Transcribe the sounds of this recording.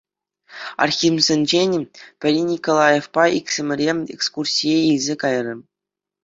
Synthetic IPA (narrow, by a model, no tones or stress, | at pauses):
ɑ̰rxʲimʲzʲɘ̆nʲd͡ʑenʲpʲɘ̆rʲinʲikolˠɑjefpɑʔikʲsʲɘ̆mʲɘ̆rʲeḛkskursʲijeilʲzʲekɑjrʲɤ̆